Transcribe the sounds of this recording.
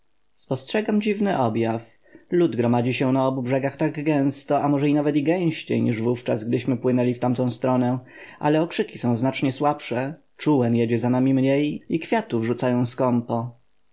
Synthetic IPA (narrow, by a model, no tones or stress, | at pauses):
spɔstʂɛɡamd͡ʑivnɘʔɔbjaf | lud̪ɡɾɔmad͡ʑiɕɛnaɔbubʐɛɡaxt̪aɡɡɛ̃w̃st̪ɔamɔʐɛinavɛt̪iɡɛ̃w̃ɕt͡ɕejɲiʐvuft͡ʂazɡd̪ɘɕmɘpwɘnɛlʲift̪amt̪ɔ̃w̃st̪ɾɔnɛ | ʔa̰lɛɔkʂɘkʲi̥sɔ̃w̃znat͡ʂɲɛswapʂɛ | t͡ʂuwɛnjɛd͡ʑɛzanamʲimɲejikfʲjat̪uvʐut̪sajɔ̃w̃skɔmpɔ